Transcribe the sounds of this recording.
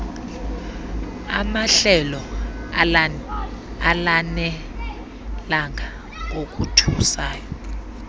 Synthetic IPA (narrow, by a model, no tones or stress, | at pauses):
a̰maɬɛlɔ | alanɛ | laŋʱa | ok̬ʼutʰusaːjɔ